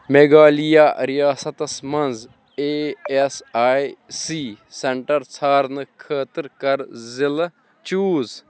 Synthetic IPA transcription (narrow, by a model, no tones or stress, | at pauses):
meːɡaːlijaːɾijaːsɐt̪ɐsmɐnz | eːesaːjsiːseɳʈɐɾt͡sʰaːɾnɨkʰəːt̪əɾkɐɾzɪl | t͡ʃuːz